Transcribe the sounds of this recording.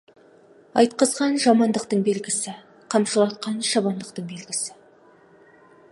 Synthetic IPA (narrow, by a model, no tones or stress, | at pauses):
ɑjt̪̚qəzʁɑnʒɑmɑnd̪əqt̪əɴbe̞lɡʲɪsɪ | qʰɑmʃəlˠɑt̪̚qɑnʃɑβɑnd̪əqt̪əɴbe̞lɡʲɪsɪ